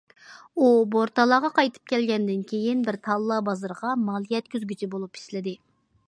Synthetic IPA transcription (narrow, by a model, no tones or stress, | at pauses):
uboɾt̪ɑlˠɑʁɑqʰɑjt̪ʰɨ̥p̚kʲɛlɡʲɛnd̪ɪnkʲʰejinbɪɾt̪ʰɑlˠːɑbɑzɨɾʁɑmɑlˠjɛt̪̚kʲyzɡʲyt͡ʃʰibolˠupʰi̥slɪd̪ɪ